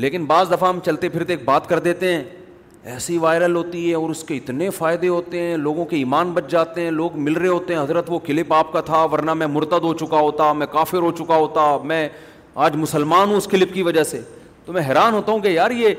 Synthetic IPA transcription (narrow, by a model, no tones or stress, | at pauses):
leːkɪnbaːzd̪ɐfaɦmt͡ʃɐlt̪epʰɪɾt̪eːk̚baːt̪kɐɾd̪eːt̪eɦɛ̃ː | ɛːsiʋaːɪɾəlɦoːt̪iɦɛɔːɾʊskeɪt̪nefaːɪd̪eɦoːt̪eɦɛ̃ːloːɡõkeiːmaːnbɐt͡ʃd͡ʒaːt̪eɦɛ̃ːloːɡmɪlɾɐeɦoːt̪eɦɛ̃ɦɐzɾət̪ʋokɪlɪpaːp̚kat̪ʰaʋɐɾnamɛ̃mʊɾt̪əd̪ɦot͡ʃʊkaɦoːt̪amɛ̃kaːfɪɾɦot͡ʃʊkaɦoːt̪amɛ̃ː | aːd͡ʒmʊsəlmaːnɦũʊskɪlɪpkiʋɐd͡ʒəseː | t̪omɛ̃ɦɛːɾaːnɦoːt̪aɦũkejaːɾjeː